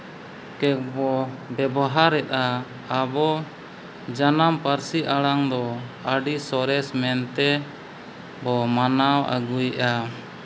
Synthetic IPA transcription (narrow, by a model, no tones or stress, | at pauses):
kɛk̚bɔbɛbɔɦaɾɛt̪̚aː | bɔ | d͡ʒanampaɾsiʔaɽaŋd̪ɔaɖisɔɾɛsmɛnt̪ɛ | bɔmanawa̰ɡujʔa